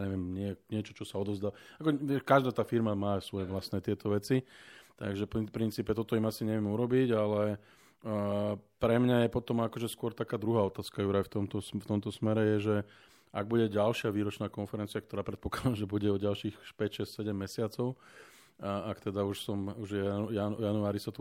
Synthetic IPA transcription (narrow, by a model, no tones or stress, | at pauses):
ɲɛʋɪɛmɲɪɛɲɪɛt͡ʃɔt͡ʃɔsaɔd̪ɔzd̪aakɔʋɛkaʒd̪aːt̪aːfiɾmamaːsʋɔjɛʋlasnɛːt̪ɪɛt̪ɔʋɛt͡sit̪aɡʒɛppɾint͡siːpɛt̪ɔt̪ɔimasiɲɛʋɪɛmuɾɔbiɟalɛ | pɾɛmɲajɛpɔt̪ɔmakɔʒɛskʊɔɾt̪akaːd̪ɾuɦaːɔt̪aːskajuɾajft̪ɔmt̪ɔsft̪ɔmt̪ɔsmɛɾɛjɛʒɛ | aɡ̚buɟɛɟalʃɪaʋiːɾɔt͡ʃnaːkɔnfɛɾɛnt͡siakt̪ɔɾaːpɾɛt̪̚pɔ̥klad̪amʒɛbuɟɛɔɟalʃiːxpɛcʃɛssɛɟɛmːɛsɪat͡sɔʊ | akt̪ɛd̪auʃsɔmuʒjajanuaːɾisat̪ɔ